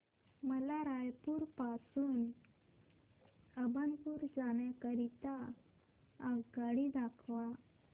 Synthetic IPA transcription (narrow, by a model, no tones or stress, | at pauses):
məlaɾajpuːɾpasuːn | əbanpuːɾd͡zaɳjakəɾit̪aː | ɡɡaɽid̪akʰʋa